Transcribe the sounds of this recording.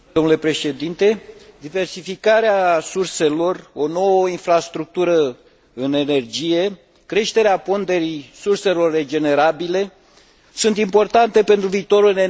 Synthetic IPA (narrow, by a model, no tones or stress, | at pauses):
omnule̞pɾe̞ʃe̞d̪int̪e̞d̪ive̞rsifikaɾeasurse̞lo̞ro̞no̞wəinfɾast̪ɾuk̚t̪uɾə | ɨne̞ne̞rd͡ʒije̞ | kɾe̞ʃt̪e̞ɾeapo̞nd̪e̞ɾisurse̞lo̞rːe̞d͡ʒe̞ne̞ɾabile̞ | sunt̪impo̞rt̪ant̪e̞pe̞nt̪ɾuviːt̪o̞ɾɨne